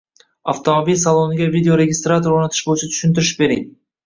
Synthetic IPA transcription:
a̰ft̪omobilʲsalˠo̞nɡʲavʲid̪ʲeoɾe̞ɡʲɪst̪ɾat̪oɾoɾnɑt̪ʰɨ̥ʃbojt͡ʃʰat̪ʰy̥ʃɪnt̪ɪɾɪʃbe̞ɾḛd̪ɪ

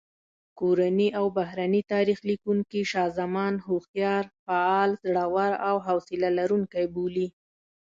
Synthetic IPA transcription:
koɾaniʔawbaɦɾanit̪ɑɾixlikuŋkiʃɑzamɑnɦoxjɑɾfaɑlzɽawaɾawɦawsɪlalaɾuŋkajbuli

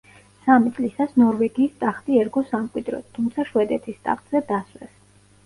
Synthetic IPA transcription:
samit̪sʼlisasnɔɾvɛɡiːst̪ʼaχt̪ʼiɛɾɡɔsamkʼwid̪ɾɔ̰t̪t̪ʰumt̪sʰaʃwɛd̪ɛt̪ʰist̪ʼa̰χt̪ʼz̥ɛd̪aswɛs

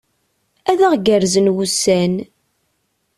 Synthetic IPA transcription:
æðæʁɡəɾzənwusæn

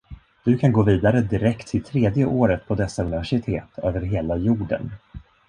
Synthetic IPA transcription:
d̪̥ɵkʰanɡoːviːd̪aɾəd̪ɪɾɛkt̪ʰːɪlt̪ʰɾeːd̪jəʔoːɾət̪̚pʰɔd̪ɛsːaɵnɪvæʂɪt̪ʰeːt̪ʰøːvəɾɦeːlajuːɖə̰n

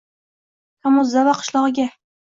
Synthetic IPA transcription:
kʰamʊzavaqʰɨ̥ʃlˠɒʁɨɡʲa

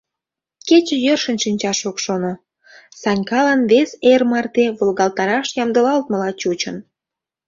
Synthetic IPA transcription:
ket͡ɕə̆jørʃənʃinʲt͡ɕɑʃokʃono | sɑnʲkɑlənβesermɑrt̪eβolɣɑlt̪ɑɾɑʃjɑmd̪əlɑlt̪mə̆lɑt͡ɕut͡ɕən

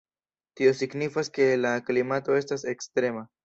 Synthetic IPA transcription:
tio̞siɡnifaske̞laklimato̞e̞stase̞kstɾe̞ma

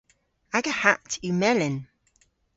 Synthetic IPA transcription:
aɡəhatʰumɛlɪn

